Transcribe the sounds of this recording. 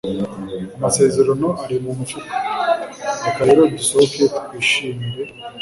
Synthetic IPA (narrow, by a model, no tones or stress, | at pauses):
amase̞ːzeɾanoʔaɾimumufukḁ | akaɾeɾoɟisokekuiʃiːmbe